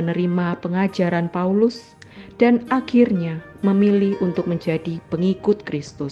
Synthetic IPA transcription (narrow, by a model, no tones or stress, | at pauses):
ənəɾimapəŋad͡ʒaɾanpaulʊs | d̥anakɪrɲa | məmilɪhunt̪ʊk̚məɲd͡ʒadipəŋikʊt̪̚kɾɪst̪ʊs